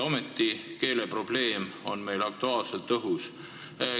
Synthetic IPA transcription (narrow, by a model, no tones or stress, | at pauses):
o̞met̪ːike̞ːle̞pro̞b̥le̞ːmo̞nme̞jlɑk̚t̪uɑːlse̞lt̪ːɤɦus